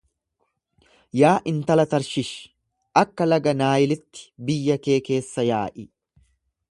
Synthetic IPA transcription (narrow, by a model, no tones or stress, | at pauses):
jaːʔɪnt̪ɐlɐt̪ɐɾʃɪʃ | ʔɐkːɐlɐɡɐnaːjɪlɪt̪ːɪ̥bɪjːɐke̞ːke̞ːsːɐjaːʔɪ